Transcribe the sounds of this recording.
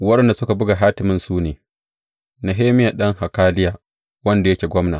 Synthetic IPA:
wɐ˦ɗɛ˨nda˨sʊ˦ka˨bʊ˦ɡa˨ɦaː˦tɪ˨mɪ˨nsuː˦neː˨ | na˨ɦeː˦mɪ˦ja˨ɗɐ˦ŋha˨kaː˦lɪ˦jaː˨ | wɐ˦nda˨jɐ˦kʲeː˨ɡʷɔ˦mnaː˨

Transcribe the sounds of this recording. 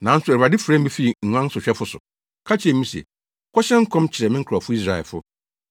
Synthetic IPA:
nã˨˦n̩˦sʊ˨æ˨a˨dɪ˦fɾɛ̃˦m̩˦bi˦fi˦˨ŋ̩˨ɲʷã˦n˦sʊ˨ɕᶣɛ˦fʊ˦sʊ̰˨ | kʰa˦t͡ɕʰɪ˦ɛ̃˨˦mĩ˦si˨ɛ̰˨ | kʰɔ˦ɕɛ̃˦ŋ̩˦kʰɔ̃˦mt͡ɕʰɪ˨ɾɛ˨mɪ̃˦ŋ̩˦kʰɔ˨fʊ˦i˦s̬ɾa˨ɛ̰˨lfʊ̰˦

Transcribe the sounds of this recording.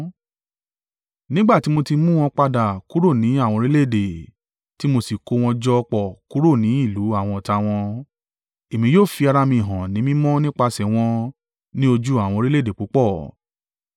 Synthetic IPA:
nĩ˦ɡ͡ba˦˨ti˨˦mo˧ti˧mũ˦w̃ɔ̃˧k͡pa˧da˨ku˨˦ɾo˦˨nĩ˨˦a˦˨w̃ɔ̃˧ɾi˦le˦˨de˨ | ti˨˦mo˧si˨ko˧w̃ɔ̃˧d͡ʒɔ˧k͡pɔ˦˨ku˦ɾo˦˨nĩ˨˦i˦˨lu˨˦a˦˨w̃ɔ̃˧ɔ˨ta˧w̃ɔ̃˧ | e˨mĩ˧joː˦˨fi˧a˧ɾa˧mĩ˧˨ɦã˨nĩ˨˦mĩ˦mɔ̃˦nĩ˦k͡pa˧sɛ˨w̃ɔ̃˧ | nĩ˦o˧d͡ʒu˦a˦˨w̃ɔ̃˧ɾi˦le˦˨de˨k͡pu˨˦k͡pɔ˦˨

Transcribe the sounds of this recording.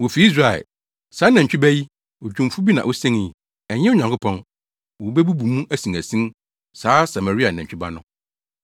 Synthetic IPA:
wo˨fi˨˦i˦s̬ɾa˨ɛ̰˨ | saː˨˦nɛ̃˨t͡ɕᶣi˦bæ˦ji˦ | o˨d͡ʑᶣũ˨m˨fu˦bi˦nã̰˨ʔo˦sɛ̃˦n˨ | ɛ˨ɲɛ̃˦ʊ˦ɲã˨ŋkʰʊ˦pʰɔ̃˦n | wo˨bɛ˦bu˦bu˨mũ˦ʔæ˦sĩ˨ŋæ˨sĩ˦n | saː˨˦sa˨ma˨ɾi˦a˨nɛ̃˨ɲ˨t͡ɕᶣba̰˦nʊ̃˦

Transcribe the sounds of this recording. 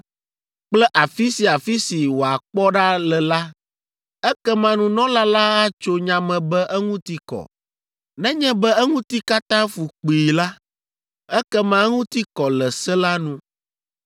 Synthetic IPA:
k͡plɛ˦ʔa˨fi˦si˨a˨fi˦si˨wo˨a˨k͡pɔ˦ɖa˦lɛ˨la˦ | ɛ˦kɛ˦mã˦nũ˦nɔ̃˦la˦la˦a˦t͡ʃo˦ɲã˨mɛ̃˨bɛ˦ʔɛ˦ŋũ˦t̪i˦kɔ̰˨ | nɛ̃˦ɲɛ̃˦bɛ˦ɛ˦ŋũ˦t̪i˦ka˦t̪ã˦fu˨k͡pi˨la˦ | ɛ˦kɛ˦mã˦ŋũ˦t̪i˦kɔ˨lɛ˨sɛ˦la˦nũ˦

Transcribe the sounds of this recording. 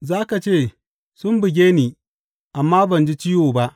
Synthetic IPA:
zaː˦ka˨t͡ʃeː˦˨ | sʊ˦mbɪ˨ɡʲeː˦niː˨ | ʔa˨mːaː˦bɐ˨nd͡ʒi˦t͡ʃi˦joː˨ba˦ʔ

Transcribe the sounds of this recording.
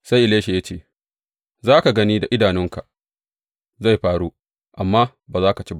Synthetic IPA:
sa˦jʔɪ˨leː˦ʃe˨ja˦t͡ʃeː˦˨ | zaː˦ka˨ɡɐ˦niː˦da˨ʔɪ˦daː˨nɪ˦ŋka˨ʔ | za˦˨jɸaː˦ɽuː˦ | ʔa˨mːaː˦ | baː˨zaː˦ka˨t͡ʃeː˦b

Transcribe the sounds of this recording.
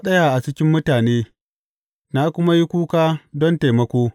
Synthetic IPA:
ɗɐ˦ja˨ʔa˨t͡ʃɪ˦kʲɪ˦mːʊ˦taː˨neː˦ | na˦kʷʊ˦ma˦ji˦kʷuː˦kaː˦dɔ˦nte˨jmɐ˦kʷoː˦

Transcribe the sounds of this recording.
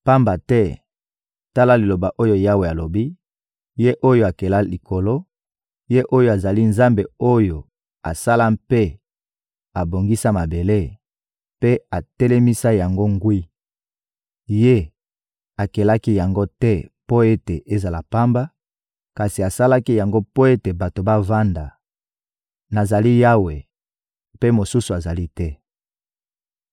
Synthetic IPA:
pa˦mba˨tɛ˦ | ta˦la˦li˨lo˨ba˨ʔo˦jo˦ja˦we˨a˨lo˨bi˦ | je˦ʔo˦jo˦a˨ke˨la˦li˨ko˨lo˦ | je˦ʔo˦jo˦a˨za˨li˦nza˦mbe˨o˦jo˨ | a˨sa˦la˦mpe˦ | a˨bo˨ŋɡi˦sa˦ma˨be˨le˦ | pe˦a˨tɛ˦lɛ˦mi˦sa˦ja˨ŋɡo˦ŋɡwi˦ | je˦ | a˨ke˨la˦ki˦ja˨ŋɡo˦tɛ˦po˦e˦te˨ʔe˦za˨la˨pa˦mba˦ | ka˨si˨a˨sa˦la˦ki˦ja˨ŋɡo˦po˦e˦te˨ba˨to˨ba˦va˦nda˨ | na˨za˨li˦ja˦we˨ | pe˦mo˨su˦su˨a˨za˨li˦tɛ˦

